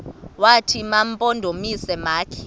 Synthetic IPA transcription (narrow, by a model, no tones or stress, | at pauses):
watʰimampʼondʱomisɛmaːkʰi̥